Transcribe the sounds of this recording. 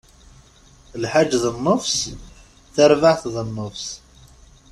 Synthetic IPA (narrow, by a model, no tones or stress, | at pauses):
lħad͡ʒðənːʊfs | θaɾvaʕθðənːʊfs